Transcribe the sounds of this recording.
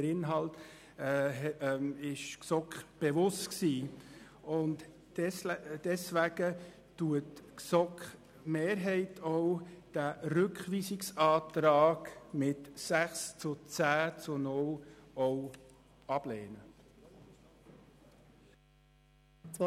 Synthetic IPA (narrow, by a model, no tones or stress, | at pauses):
əɾɪnɦɑlt | ɪʃksɔkχb̥ɛʋʊstksiː | ʊnt | d̥ɛsʋæɡ̥ə | tuətksɔkχ | meːɾɦɛɪtʰɔwd̥æɾʏkχʋiːsɪksɑːt̪ɾɑːɡmɪtsæχst͡sʊt͡sæːt͡sʊnʊlɔw | ɑb̥lɛːnə | t͡s